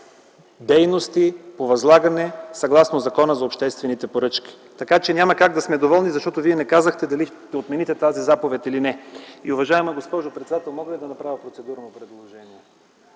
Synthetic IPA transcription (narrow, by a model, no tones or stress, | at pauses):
d̪ɛjnost̪ipovɐzlˠaɡɐnɛsɐɡlˠasnozɐkɔnəzɐopʃt̪ɛst̪vɛnit̪ɛpoɾɤt͡ʃkʲi̥ | t̪ɐkat͡ʃɛnʲamɐkaɡ̚d̪ɐsmɛd̪ovɔlˠnizɐʃt̪ɔt̪oviɛnɛkazəxt̪ɛd̪ɐli | t̪ɛot̪mɛnit̪ɛt̪azizapovɛt̪ʲilinɛiʊvɐʒaɛmɐɡospɔʒopɾɛt̪sɛd̪at̪ɛlˠmɔɡəvid̪ɐnɐpɾavʲɐpɾot̪sɛd̪uɾnopɾɛd̪lˠoʒɛniɛ